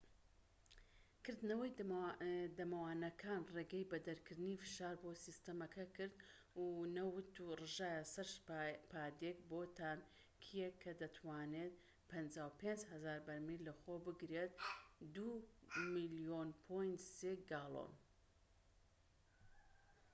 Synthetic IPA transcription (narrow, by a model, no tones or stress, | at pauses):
kɨɾd̪nɐwɐj | d̪ɐmɐwaːnɐkʰaːnreːɡɐjbɐd̪ɐɾkʰɨɾd̪ɨnifɨ̥ʃaːɾboːsist̪ɐmɐkʰɐkɨɾd̪ | unɐwɨt̪urɨʒaːjɐsɐɾʃpaːd̪ekboːt̪ʰam | kʰijekʰːɐd̪ɐt̪ʰwaːneːt̪̚ | pʰɐnd͡ʒaːwpʰend͡ʒhɐzaːɾbɐɾmilɐxobɨɡɾet̪̚d̪umilijonpʰojnt̪seɡaːlˠo̰n